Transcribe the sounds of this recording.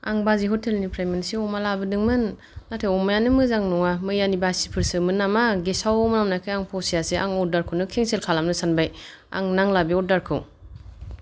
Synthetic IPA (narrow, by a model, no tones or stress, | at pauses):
aŋbaziɦɔtʰelnipʰɾamensiɔmalabɯdɯŋmɯnː | atʰajɔmajanɯmɯzaŋnɔŋamɯjanibasi̥pʰɯɾsɯmɯnːamaɡesawɔmɯnamnajkʰajaŋpʰɔsijasiʔa̰ŋɔdaɾkʰɯwnɯkʰeŋselkʰalamnɯsanbaj | a̰ŋnaŋlabiɔdaɾkʰɯw